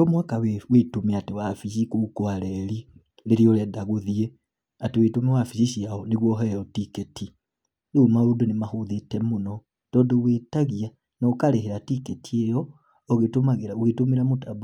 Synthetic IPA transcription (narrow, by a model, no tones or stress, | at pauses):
ɔmwakawewetomeatewafiʃikukoaɾɛɾi | ɾeɾiɔɾɛdaɣoðiɛ | atewetomewafisiʃiaɔneɣwɔɦɛɾɔtiketʰi | ɾeumaɾodonemahoðetɛmonɔ | d̥ɔːndɔwetaɣia | naokaɾeɦeɾatiketʰiejɔ | ɔɣetomaɣeɾaoɣetomeɾamotab